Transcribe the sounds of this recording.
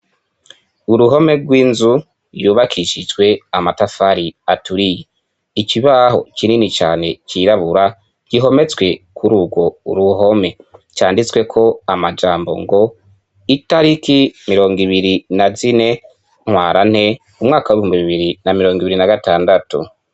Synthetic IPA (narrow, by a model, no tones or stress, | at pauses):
uɾuɦo̞me̞ɡwiːnzu | juːβakʰiʃid͡ʒwe̞amatafaɾiatuɾije | iciβaɦo̞̰cininit͡ʃaːne̞ciɾaβuɾa | ɟ̥iɦo̞me̞t͡swe̞kʰuɾuːɡwo̞ṵɾuɦo̞me̞t͡ʃaːndit͡swe̞kʰo̞amad͡ʒaːmbo̞̰ŋɡo̞ | itaɾikimiɾo̞ːŋɡiβiɾinazine̞ | ŋ̥waːɾan̥he̞ | umŋaːkawuβihuːmbiβiβiɾinamiɾo̞ːŋɡiβiɾinaɡataːndatṵ